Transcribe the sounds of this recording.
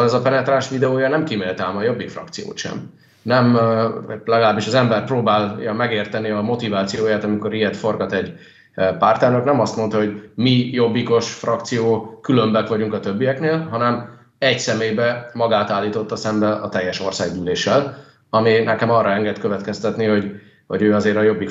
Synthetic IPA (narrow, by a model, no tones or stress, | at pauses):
lɛzɒpɛnɛt̪raːnʃʋid̪ɛoːjɒnɛmkimeːlt̪aːmɒjo̞bːikfrɒ̰kt̪sijo̰ːt̪ʃɛ̰m | nɛm | lɛɡɒlaːbːiʃɒzɛmbɛrproːbaːljɒmɛɡeːrt̪ɛniɒmo̞t̪ivaːt̪sijoːjaːt̪ɒmiko̞ɾiɛt̪fo̞rɡɒt̪ɛɟ | paːrt̪ɛrnøknɛmɒst̪mo̞nt̪ɒɦo̞ɟmijo̞bːiko̞ʃfrɒkt̪sijoːkylø̞mbɛkʋɒɟuŋkɒt̪ø̞bːijɛkneːlɦɒnɛm | ɛɟsɛmeːjbɛmɒɡaːt̪aːlːiːt̪o̞t̪ːɒsɛmbɛɒ̰t̪ɛjːɛʃo̞rsaːɡbyːleːʃɛl | ɒminɛkɛmɒrːɒɛŋɡɛt̪køvɛt̪kɛst̪ɛt̪niho̞ɟ | ho̞̰ɟøːɒzeːɾɒjo̞bːik